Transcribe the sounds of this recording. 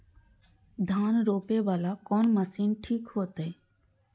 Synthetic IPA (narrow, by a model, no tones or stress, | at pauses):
d̪ʱanɾopebalakɔnməsinʈʰikhot̪e